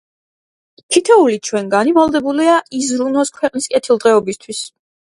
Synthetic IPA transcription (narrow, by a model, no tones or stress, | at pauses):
tʰit̪ʰɛulit͡ʃʰwɛŋɡanivalˠd̪ɛbuliaʔizɾunɔskʰwɛqʼniskʼɛt̪ʰilˠd̪ʁɛɔbist̪ʰwis